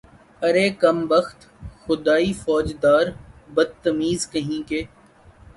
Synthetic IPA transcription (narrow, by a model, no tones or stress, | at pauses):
ɐɾekɐmbɐxt̪ | xʊd̪aːifɔːd͡ʒd̪aːɾbɐd̪̚t̪ɐmiːzkɐɦĩːkeː